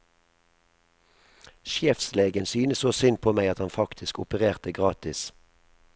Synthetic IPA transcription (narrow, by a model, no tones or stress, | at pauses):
ʃjɛːfsleːɡənsyːnəsoːsʏnpʰoːmæɪɑt̪hɑnfɑkt̪ʰɪskʊpəʁeːʁt̪əɡʁɑːt̪ɪs